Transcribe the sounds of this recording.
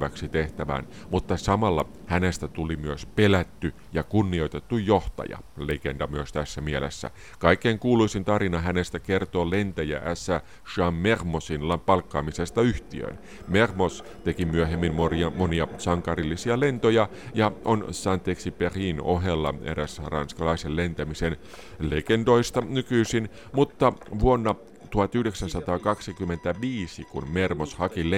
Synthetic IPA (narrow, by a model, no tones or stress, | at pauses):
ʋæksit̪eht̪æʋæ̰ːn | mut̪ːɑsɑmɑlːɑ | hænest̪æt̪ulimyøspelæt̪ːy | jɑkunːio̞it̪et̪ːujjoht̪ɑ̰jɑ̰lekendɑmyøst̪æsːæmielḛsːæ̰ | kɑikːˑeːŋkuːluisint̪ɑrinɑɦænest̪ækert̪oːlent̪æjæ̰ʔæsːæ | ʃɑmːermosinlɑpɑlkːɑːmisest̪ɑyht̪iø̰n | mermos | t̪e̞kimyøɦemːinɑmoniɑsɑŋkɑrilːisiɑle̞nt̪ojɑ | jɑʔonsɑnt̪eksiperiːno̰ɦelːɑ̰ḛɾæsrɑ̰nskɑlɑiselle̞nt̪æmisen | lḛkendo̞ist̪ɑnykyisin | mut̪ːɑʋuonːɑ | t̪uhɑt̪yhde̞ksænsɑt̪ɑːkɑksikymːent̪æʋiːsikunmermoshɑkil